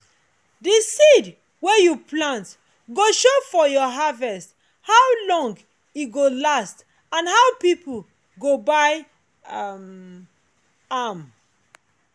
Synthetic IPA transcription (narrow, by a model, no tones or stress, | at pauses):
disid | wejuplãnt | ɡoʃofɔjɔɦavɛst | hawlɔ̃ŋɡ | iɡolast | ãnɦawpipl | ɡobaɪ | m | am